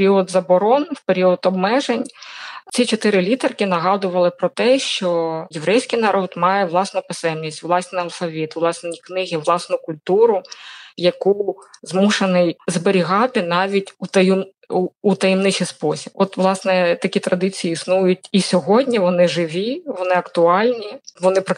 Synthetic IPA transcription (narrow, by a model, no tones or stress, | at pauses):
peɾʲiɔd̪zɐbɔɾɔnwpeɾʲiɔd̪ɔbmɛʒenʲt͡sʲit͡ʃɔt̪ɪɾɪlʲit̪ɐrkɪnɐɦɑd̪ʊʋɐlˠɪpɾɔt̪ɛʃt͡ʃɔjeʋɾʔɛjsʲkɪjnɐɾɔd̪mɑjɛʋlˠɑsnʊpɪsɛmnʲisʲtʲʋlˠɑsʲnɪɐlˠfɐʋʲit̪ʋlˠɑsniknɪɦɪʋlˠɑsnʊkʊlʲt̪uɾʊjɐkuzmuʃenɪjzbeɾʲiɦɑt̪ɪnɑʋʲitʲut̪ɐju | uːt̪ɐjɛmnɪt͡ʃ̪ɪspɔsʲibɔt̪ʋlˠɑsnɛt̪ɐkʲit̪ɾɐd̪ɪt͡sʲijiːsnujʊtʲisʲɔɦɔdʲnʲiʋɔnɪʒɪʋʲiʋɔnɪɐkt̪ʊɑlʲnʲiʋɔnɪpɐ